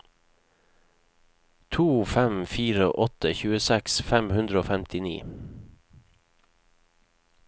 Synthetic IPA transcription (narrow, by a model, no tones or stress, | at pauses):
t̪ʰuːfæmfiːɾəʔɔt̪əçʉːəsɛksfæmhʉnd̪ɾəoːfɛmt̪ʰɪnḭː